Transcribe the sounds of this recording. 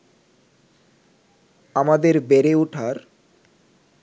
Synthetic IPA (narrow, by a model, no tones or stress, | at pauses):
amad̪eɾbeɾeuʈʰaɾ